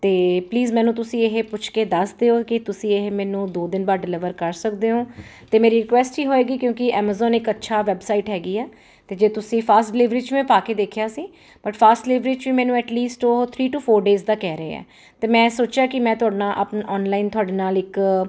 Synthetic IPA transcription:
t̪eːpliːzmɛ̃ːnũːt̪ʊsĩːɪɦepʊt͡ʃʰkeːd̪əsd̪eːoːkɪt̪ʊsĩːɪɦmɛ̃ːnũːd̪oːd̪ɪnbaːɖɪlɪʋəɾkəɾsəkd̪eːɦõːt̪eːmeːɾiːɾɪkʋɛːsʈɦiːɦoːeːɡiːkjõːkɪɛːməːzɔːnɪkətːʃʰaːʋɛːbsaːiʈɦɛːɡiːɛː | t̪eːd͡ʒeːt̪ʊsĩːpʰaːsʈɖɪlɪʋɾiːt͡ʃʋɛ̃ːpaːkeːd̪eːkʰjaːsiː | b̥əʈpʰaːsʈɖlɪʋɾeːt͡ʃʋiːmɛːnũːɛːʈliːsʈoːt̪ʰɾiːʈuːpʰoːɾɖeːzd̪aːkɛːɾəḛːɛ̰ː | t̪eːmɛ̃ːsoːt͡ʃjaːkɪmɛ̃ːt̪ʊaːɖnãːʔəpnːʔɔːnlaːɪnt̪ʊaːɖeːnaːlɪk

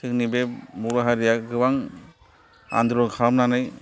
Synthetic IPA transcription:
tʰɯŋnibemuɾaɦaɾijaɡɯwaŋ | a̰nd̪ɾɔŋkʰamnanɯj

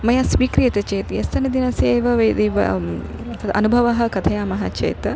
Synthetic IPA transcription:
mɐjasʋiːkɾijɐt̪ɐt͡ʃeːt̪jɐst̪ɐnɐd̪inɐsieːʋɐʋɐjd̪eːʋɐ̰t̪ɐɐ̰nubʱɐʋɐɦɐ̆kɐt̪ʰɐjaːmɐɦɐt͡ʃɐ̰jt̪

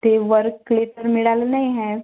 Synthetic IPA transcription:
t̪eːʋəɾkːleːʈəɾmɪɽaːlnaiɦɛ̃ː

